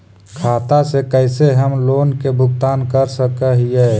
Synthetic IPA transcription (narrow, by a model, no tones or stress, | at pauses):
kʰaːt̪asekɛɪseɦəmloːnkebʱʊɡt̪aːnkəɾsəkəɦiɛː